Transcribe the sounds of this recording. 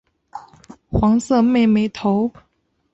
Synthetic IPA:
xwɑ˧˥ŋsɤ˥˧˨me˥˨ɪme˧˥ɪt̪ʰo˧˦ʊ

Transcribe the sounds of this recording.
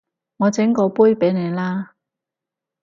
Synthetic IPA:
ŋɔː˨˧t͡sɪ˨˥ŋkɔː˨˧puː˥jpe˨˥jne˨˧jlaː˥

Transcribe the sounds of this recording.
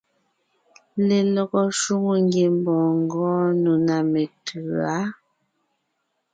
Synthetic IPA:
le˨lɔ˨ɡɔ˨ʃu˦ŋo˨ŋɡe˨m˦bɔ̃ː˨ŋ˦ɡɔ̃ː˦nu˨na˨me˨tʰʉ˨a˨˦

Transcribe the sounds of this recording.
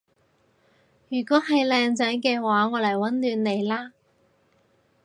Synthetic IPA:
jyː˨˩kɔː˨˥ɦɐ˨jlɛː˨˧ŋt͡sɛː˨˥ŋkɛː˧waː˨˥ŋɔː˨˧lɐ˨˩jwɐ˨˥nlyː˨˧nne˨˧jlaː˥

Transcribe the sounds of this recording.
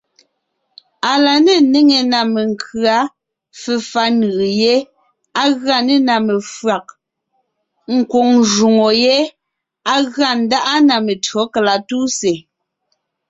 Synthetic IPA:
a˨la˨ne˦˨ne˦ŋe˨na˨me˨ŋ˨kʰɰa˨˦ | fɛ˨fa˦nɯ˨ʔje˦ | a˦ɣɰa˦˨ne˦˨na˨me˨fɰa˨k̚ | ŋ̩˨kwo˨ŋʒu˨ŋo˨je˦ | a˦ɣɰa˦˨n̩˨˦da˦ʔa˦na˨me˨tɰɔ˨˦kla˨tu˦se˨

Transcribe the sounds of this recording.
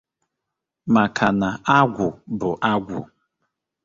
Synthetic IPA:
ma˨kʰa˨na˨a˦ɡʷʊ˨bʊ˨ʔa˦ɡʷʊ̰˨

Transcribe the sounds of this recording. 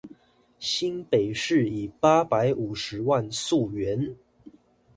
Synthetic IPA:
ɕi˥npe˨˩ɪʂɻ̩˥˩i˨˩pa˥pa˧˥ɪʔu˨˩ʂɻ̩˧˦˥wa˥˧nsu˥˩ɥɛ˧˦n

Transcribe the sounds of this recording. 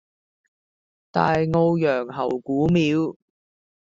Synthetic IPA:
t̪a̰ː˨jŋo˧wjœː˨˩ŋɦɐ̰˨˩wkuː˨˥miː˨˧w

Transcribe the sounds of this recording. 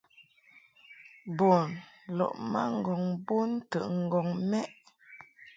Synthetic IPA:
bo˨nlɔ̰˨ʔma̰˦ŋ̩˨ɡɔ˨ŋbo˦n˦tə˨ʔŋ̩˨ɡɔ˨ŋmɛ˦ʔ

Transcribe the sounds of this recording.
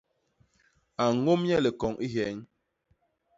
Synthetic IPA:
a˨ŋo˦mɲɛ˦le˨kɔ˨ŋʔi˦ɦɛ˨˦ɲ

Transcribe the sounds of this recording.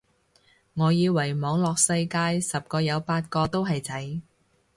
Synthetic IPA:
ŋɔː˨˧jiː˨˧wɐ˨˩jmɔː˨˧˥ŋlɔː˨k̚sɐ˧jkaː˧jsɐ˨p̚kɔː˧jɐ˨˧wpaː˧t̚kɔː˧t̪o˥wɦɐ˨jt͡sʰɐ˨˥j

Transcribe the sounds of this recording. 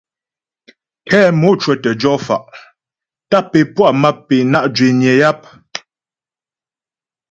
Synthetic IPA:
kʰɛː˦mo˨˦t͡ʃwɛ˨tə˨d͡ʒɔ˦fa̰˨ʔ | ta˦˨pe˨pwa˦˨ma˦ppːe˨na˦ʔd͡ʒɥe˨ɲjɛ˨ja˦p̚

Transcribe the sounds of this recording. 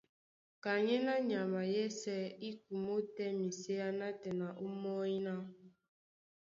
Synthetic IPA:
ka˨ɲɛ˦na˦ɲa˨ma˨jɛ˦sɛ˦i˦k̚u˨mo˦tɛ˦mi˨se˦a˦na˦tɛ˨na˨ʔo˦mɔ˦i˦na˦

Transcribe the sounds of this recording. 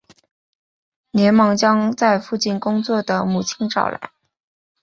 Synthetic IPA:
njɛ˧˥nmɑ˧˥ŋt͡ɕjɑ˥ŋt͡sa˥˧ɪfu˥˧t͡ɕi˥˩nkʊ˥ŋt͡swɔ˥˩d̪ə˩mu˨˩t͡ɕʰi˥nʈ͡ʂɑ̰˥˩ʊla̰˧˥ɪ

